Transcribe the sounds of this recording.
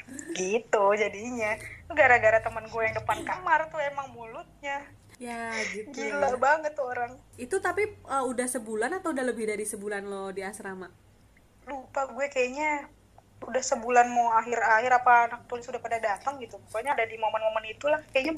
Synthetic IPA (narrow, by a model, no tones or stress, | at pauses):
ɡit̪ud͡ʒadiɲat̪uɡaɾaɡaɾat̪əmənɡuɛjaŋdəpankamart̪uemaŋmulʊt̪̚ɲa | jaɡiɡilabaŋət̪ːoɾaŋit̪ut̪apiəːudahsəbulanat̪awudahləbɪhdaɾisəbulanlodiasɾama | lupaɡuɛkajaɲa | udahsəbulanmoaɦɪrahɪɾapanak̚t̪unsudahpadadat̪aŋɡit̪upəkuaɲadadimomənmomənit̪ulahkajaɲa